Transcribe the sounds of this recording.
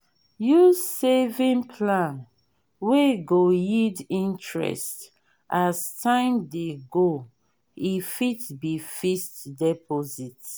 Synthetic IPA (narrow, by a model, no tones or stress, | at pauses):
juzsevĩŋpʰlãn | weɡojidĩntɹɛ̰st | ʔastʰãɪ̃mdeɡo | ifitbifistdɛpʰɔzit